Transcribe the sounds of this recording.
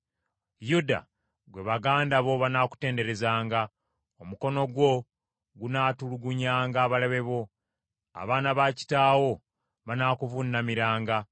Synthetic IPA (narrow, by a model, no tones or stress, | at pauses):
juda̰ | ɡwe̞βaɡaːndaβo̞βanaku̥te̞ːnde̞ɾe̞zaːŋɡa | omuko̞no̞ɡwo̞ | ɡunaːtuluɡuɲaːŋɡaːβaleβe̞βo̞ | a̰βaːnaβaci̥taːwo̞ | βanaːkuvunːamiɾaːŋɡa